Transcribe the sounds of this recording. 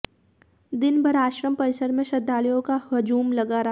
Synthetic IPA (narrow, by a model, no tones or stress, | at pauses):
d̪ɪnbʱɐɾaːʃɾəmpɐɾɪsəɾmẽʃɐd̪ʱːaːlijõkahɐd͡ʒuːmlɐɡaːɾa